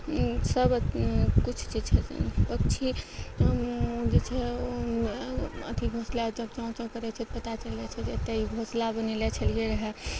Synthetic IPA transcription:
səbkut͡ʃʰt͡ʃid͡ʒt͡ʃʰɛpəkt͡ʃʰi | d͡ʒet͡ʃʰɛo | ə̰t̪ibʱoslad͡ʒəbt͡ʃaũt͡ʃãkəɾɛt͡ʃʰɛt̪pət̪at͡ʃəlɛt͡ʃʰɛd͡ʒeət̪ːeibʱoslabənelɛt͡ʃʰəlɡeɾəɦɛ

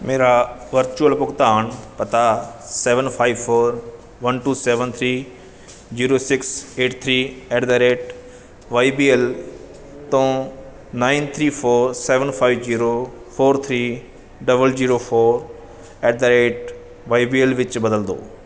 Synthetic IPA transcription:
mʔeːɾaʋɐɾt͡ʃuəlpʊɡt̪aːnpɐt̪aseːʋənpʰaːiʋfoːɾ | ʋɐnʈuːseːʋənt̪ʰɾiː | ziːɾoːsɪkseːʈt̪ʰɾiːeʈd̪əɾeːʈ | ʋaːibiːel | t̪õː | naːɪnt̪ʰɾiːpʰoːɾseːʋənpʰaːiʋziːɾopʰoːɾt̪ʰɾiː | ɖɐbəlziːɾoːpʰoːɾ | eːɖ̚d̪əɾeːʈ | ʋaːibiːelʋɪt͡ʃbɐd̪əld̪o̰ː

